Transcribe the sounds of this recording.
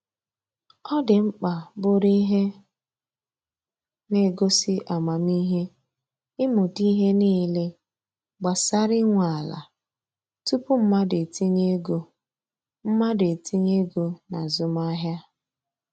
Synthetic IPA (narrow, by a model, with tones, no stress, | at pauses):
ɔ˦dɪ˨ŋ͡m̩˦k͡pa˨bʊ˨ɾi˦ɦe˦ | ne˨ɡo˦sɪ˦ʔa˨ma˨mi˦ɦe˦ | ɪ˦mʊ˨ti˦ɦe˦niː˦le˦ | ɡ͡ba˨sa˦ɾɪ˦ŋʷa˨a˨la̰˨ | tu˦pʊ˦m̩˦ma˦de˨ti˦ɲe˦ɡo˨ | m̩˦ma˦de˨ti˦ɲe˦ɡo˨na˨zʊ˨ma˦ɦja˦